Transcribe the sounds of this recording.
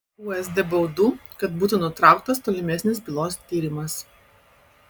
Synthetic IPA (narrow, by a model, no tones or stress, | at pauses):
uɛzd̪ʲɛbɐʊd̪uːkɐt̪buːt̪unʊt̪ɾɑˑʊk̚t̪ɐst̪oːlʲɪmʲɛsʲnʲɪs̬bʲɪlˠoːst̪ʲiːɾʲɪmɐs